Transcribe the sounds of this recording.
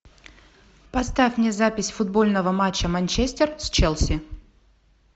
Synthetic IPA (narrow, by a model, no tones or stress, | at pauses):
pɐst̪afʲmnʲezapʲɪsʲfʊd̪̚bo̞lʲnəvəmat͡ɕːəmɐnʲt͡ɕesʲt̪ʲerst͡ɕɛlˠsʲɪ